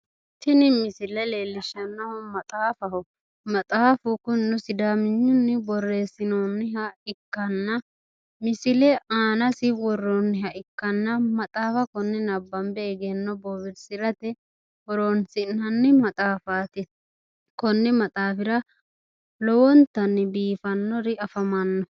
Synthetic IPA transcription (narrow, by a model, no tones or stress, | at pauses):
t̪ɪnɪmɪsɪlɛleːlːɪʃːɐnːɐhɔmɐt̪ʼaːfɐhɔ | mɐt̪ʼaːfʊkʊnːʊsɪd̪aːmɪɲːʊnːɪbɔrːe̞ːsɪnɔnːɪɦɐɪkːɐnːɐ | mɪsɪlɛaːnɐsɪwɔrːɔnːɪɦɐʔɪkːɐnːɐmɐt̪ʼaːfɐkɔnːɛnɐbːɐmbɛɛɡɛnːɔbɔbɪɾsɪɾɐt̪ɛ | wɔɾonsɪnːɐnːɪmɐt̪ʼaːfaːt̪ɪ | kɔnːɛmɐt̪ʼaːfɪɾɐ | lɔwɔnt̪ɐnːɪbiːfɐnːɔɾɪɐfɐmɐnːɔ